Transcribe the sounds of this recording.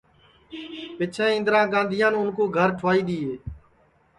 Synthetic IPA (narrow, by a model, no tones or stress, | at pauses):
pɪt͡ʃʰẽːɪ̃nd̪ɾãːɡãːnd̪ʱɪjãːnʊnkoːɡʱəɾʈʰʋaːiːɗ̪iːɦeː